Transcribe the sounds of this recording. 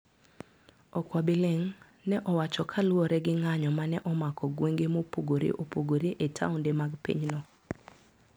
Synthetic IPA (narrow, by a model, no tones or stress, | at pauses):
ɔkwabɪleŋ | nɛʔɔwat͡ʃɔkʰalwɔɾɛɡɪŋaɲɔmanɛʔɔmakʰɔɡweŋɡemopoɡoɾḛʔopoɡoɾeʔetʰa̰ʊndemaɡpḭɲnɔ